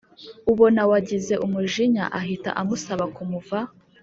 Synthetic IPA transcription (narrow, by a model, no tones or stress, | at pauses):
uβo̞nawaɟize̞ʔumuʒiɲa̰ʔaɦita̰ʔamusaβakumuva